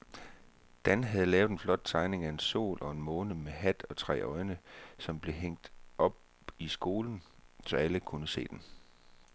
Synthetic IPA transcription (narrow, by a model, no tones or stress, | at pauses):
d̥ænɦæð̞ˠlɛːʊð̥ˠenflɒ̽d̥̚t͡sʰɑ̈ɪne̝ŋæe̝nso̝̰ːlʔɒ̽e̝nmɔ̽ːnəmeɦæd̥ɒ̽t͡sʰʁɛ̰ːɒ̽ɪnəsɒ̽mb̥le̝ɦeŋ̰d̥ʔɒ̽b̥̚ | isɡ̥o̝ːln̩sɒ̽æləkʰunəse̝̰ːd̥en